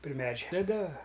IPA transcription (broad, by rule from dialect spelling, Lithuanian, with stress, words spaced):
pʲrʲɪ ˈmʲæːd͡ʒʲɛ tɐˈdɐ